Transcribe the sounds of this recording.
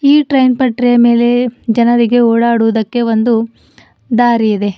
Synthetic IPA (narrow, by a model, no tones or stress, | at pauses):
iːʈɾɐjnpɐʈɾijɐme̞ːle̞d͡ʒɐnɐɾiɡe̞oːɽaːɽuʋud̪ɐkːe̞ʋo̞nd̪u | d̪aːɾijid̪e̞